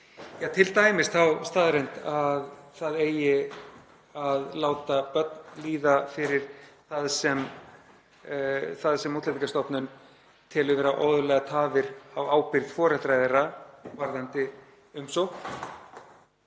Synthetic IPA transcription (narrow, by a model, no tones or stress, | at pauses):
jaːt̪ʰɪlt̪aːjmɪst̪θawst̪aːðɾejnt̪aðθaðeːjɪ | aðlaːwt̪apœt̪nliːðafɪɾɪɾ̥θaðsɛm | θaðsɛmuːt̪lɛiŋkast̪ɔpnʏn | t̪ʰɪlʏvɛːɾaʔɔwðʏlɛːɣat̪ʰaːvɪɾawaːwpɪɾðfɔːɾat̪ɾajðɪɾavaɾðant̪ɪ | ʏmsɔwx